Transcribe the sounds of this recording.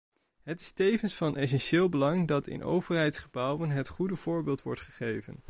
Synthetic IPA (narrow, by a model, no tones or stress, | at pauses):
ɦətɪ̥stejvənsfɑnʔɛs̬ɛnʃɪːlˠbəlɑŋdɑtɪ̰nʔo̰wvəɹɦɛjtsχəbʌwənɦətχudəv̥ʊːɹbɪːlˠtʋɔ̰ɹtχəχejvə̰n